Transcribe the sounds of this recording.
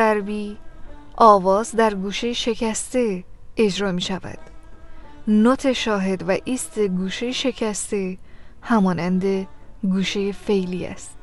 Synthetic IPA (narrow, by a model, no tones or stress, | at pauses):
æɾbiːʔɒːvɒːzd̪æɾɡuːʃe̞jeʃe̞cʰæst̪e̞e̞d͡ʒɾɒːmiːʃævæ̰d̪̥ | not̪ʰe̞ʃɒːɦe̞d̪væʔiːst̪e̞ɡuːʃe̞jeʃe̞cʰæst̪e̞hæmɒːnænd̪e̞ɡuːʃe̞je̞fe̞jliːæ̰st̪